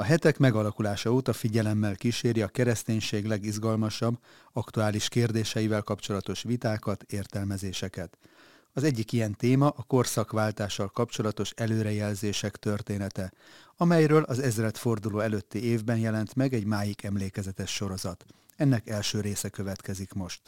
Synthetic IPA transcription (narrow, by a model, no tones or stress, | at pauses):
ɒɦɛt̪ɛkmɛɡɒlɒkulaːʃɒoːt̪ɒfiɟɛlɛmːɛlkiʃeːɾiɒkɛɾɛst̪eːɲʃeːɡlɛɡiʒɡɒlmɒʃɒbː | ɒkt̪uaːliʃkeːrd̪eːʃɛjivɛlkɒpt͡ʃo̞lɒt̪o̞ʃʋit̪aːkɒt̪eːrt̪ɛlmɛzeːʃɛkɛt̪ | ɒzɛɟːikijɛnt̪eːmɒʔɒko̞rsɒkʋaːlt̪aːʃːɒlkɒpt͡ʃo̞lɒt̪o̞ʃɛløːɾɛjɛlzeːʃɛkt̪ø̞rt̪eːnɛt̪ɛ | ɒmɛjɾøːlʔɒzɛzrɛt̪fo̞rd̪uloːɛløːt̪ːieːvbɛnjɛlɛnt̪mɛɡɛɟmaːjikɛmleːkɛzɛt̪ɛʃːo̞ɾo̞zɒt̪ | ɛnːɛkɛlʃøːɾeːsɛkø̞vɛt̪kɛzikmo̞ʃt̪